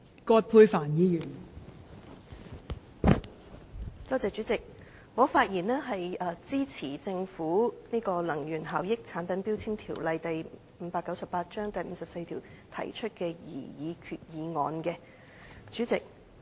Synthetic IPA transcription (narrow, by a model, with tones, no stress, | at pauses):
kɔː˧t̚pʰuː˧jfaː˨˩njiː˨˧jyː˨˩n | t͡sɔː˥t͡sɛː˨˩t͡ʃy˨˥t͡sɪ˨k̚ | ŋɔː˨˧faː˧t̚jiː˨˩nɛː˥ɦɐ˨jɐː˧t͡siː˥t͡sʰiː˨˩t͡sɪ˧ŋfuː˨˥niː˥kɔː˧lɐ˨˩ŋjyː˨˩nɦaː˨˩wjɪ˥k̚t͡sʰaː˨˥npɐ˨˥npiː˥wt͡sʰiː˥mt̪ʰiː˨˩wlɐ˧jt̪ɐ˨j | m̩˨˧˦paː˧kːɐ˨˥wsɐ˨pːaː˧t̚t͡ʃœː˥ŋt̪ɐ˨jm̩˨˧sɐ˨p̚se˧jt̪ʰiː˨˩w | t̪ʰɐ̰˨˩jt͡ʃʰɵ˥t̚kɛː˧jḭː˨˩jiː˨˧kʰyː˨t̚jiː˨˧ŋɔ̰ː˨˧nkɛː˧ | t͡ʃyː˨˥t͡sɪ˨k̚